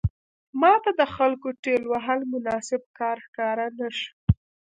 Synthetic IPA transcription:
mɑt̪ad̪əxalkoʈelwaɦəlmʊnɑsɪb̚kɑɾxkɑɾanaʃ

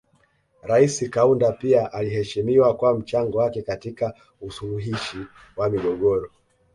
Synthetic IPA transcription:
ɾaisikaundapiaʔaliɦɛʃimiwakwam̩t͡ʃaŋɡɔwakɛkatika | usuluɦiʃi | wamiɠɔɠɔɾɔ

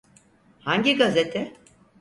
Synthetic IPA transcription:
haɲɟiɡazet̪ʰɛ

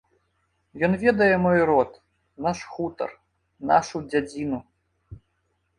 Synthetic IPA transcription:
jɔnvʲɛd̪ɐjɛmɔjɾɔt̪ | naʂxut̪ɐ̰r | na̰ʂud͡zʲad͡zʲinu

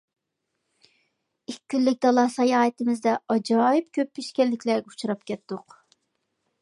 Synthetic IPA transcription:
ikʲʰːynːɪk̚ʲd̪ɑlˠɑsɑjɑːɨt̪ɨmɪzd̪ɛɑd͡ʒɑːip̚kʲʰøpʰːiʃkʲɛlːɪkʲʰlɛɾɡʲɛut͡ʃʰuɾɑp̚kʲʰɛt̪ːʊq

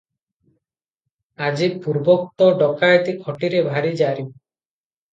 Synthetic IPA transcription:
ad͡ʒipuɾbɔk̚t̪ɔɖɔkajt̪ikʰɔʈiɾebʱaɾid͡ʒaɾi

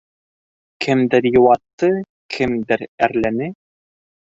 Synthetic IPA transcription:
kʰɘmd̪ɘɾjuwɑt̪ːɤ | kʰɘmd̪ɘɾæɾlænɘ

